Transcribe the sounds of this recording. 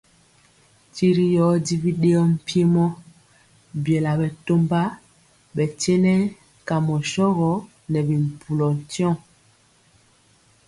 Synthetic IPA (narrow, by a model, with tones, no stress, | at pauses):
ti˦ɾi˦jɔ˨˦di˦vi˦ɗe˦ɔ˦m̩˦˨pje˦mɔ˦ | bjɛ˨la˨bɛ˨to˦mba˦ | bɛ˨tɛ˦nɛ˦ | ka˨mɔ˨ʃɔ˦ɣɔ˨˦ | nɛ˨bi˨m̩˨pu˨lɔ˨n˨tɔ̃˦˨